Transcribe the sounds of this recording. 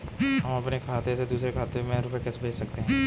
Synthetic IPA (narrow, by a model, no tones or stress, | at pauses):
ɦɐmɐpnekʰaːt̪esed̪uːsɾekʰaːt̪emẽɾʊpekɛsbʱeːt͡ʃsɐkt̪eɦɛ̃ː